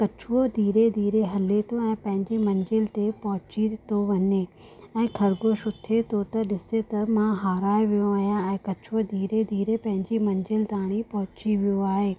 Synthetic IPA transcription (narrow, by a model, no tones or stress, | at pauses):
kɐt͡ɕʰʊod̪ʱiːɾed̪ʱiːɾeɦɐlet̪ʰoɛ̃ːpɐ̃ɦɪ̃ɲd͡ʑimɐ̃ɲd͡ʑɪlt̪epɐɦʊt͡ɕit̪oʋɐɲeɛ̃ːkʰɐɾɡoʃʊt̪ʰːet̪ʰot̪ɐɗɪset̪ɐmãɦaːɾaːeʋijoaːɦijãɛ̃ːkɐt͡ɕʰʊod̪ʱiːɾed̪ʱiːɾepɐ̃ɦɪ̃ɲd͡ʑimɐ̃ɲd͡ʑɪlt̪aːɽ̃ipɐɦʊt͡ɕiʋijoaːɦeː